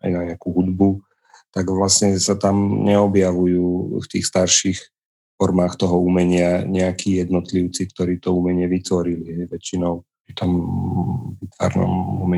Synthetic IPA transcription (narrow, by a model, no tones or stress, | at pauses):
a̰jnaɲɛakuɦud̪bu | t̪aɡʋlasɲɛsat̪amɲɛɔbjaʋujuːft̪ḭːxst̪aɾʃix | fɔɾmaːxt̪ɔɦɔumɛɲɪaɲɛakʰiːjɛd̪nɔt̪liʊt͡sikt̪ɔɾiːt̪ɔumɛɲɪɛʋit̪ʋɔɾiliɦɛjʋɛt͡ʃinɔʊpɾit̪ɔm | ʋit̪ʋa̰ɾnɔ̰mumɛ